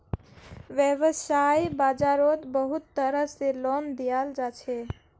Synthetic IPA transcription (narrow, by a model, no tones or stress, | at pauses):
ʋjəʋəsajbad͡ʒaɾot̪bəɦut̪ːəɾəselond̪ijald͡ʒat͡ʃʰe